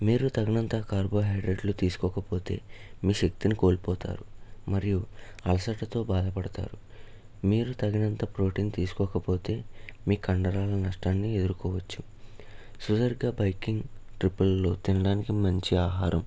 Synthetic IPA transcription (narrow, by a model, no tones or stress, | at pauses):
miːɾut̪ɐɡɐnɐnt̪ɐkaːɾbo̞ːɦɐjɖɾeɖlut̪iːsu̥kɔːkɐpo̞ːt̪e̞ːmiːʃek̚t̪iniko̞ːlipɔːt̪a̰ːɾumɐɾijuɐlɐsɐʈːɐt̪o̞ːbaːd̪ɐpɐɽɐt̪a̰ːɾu | miːɾut̪ɐɡɐnɐnt̪ɐpɾo̞ːʈiːnt̪iːsu̥kɔːkɐpo̞ːt̪e̞ːmiːkɐɳɖɐɾaːlɐnɐʂʈaːnːie̞d̪uɾukɔːʋɐt͡ʃːu̥ | sudɐɾɡaːbɐjkiŋɡʈɾipːɐlːo̞ːt̪inɐɽaːnikimɐɲt͡ʃiaːɦaːɾʔɐm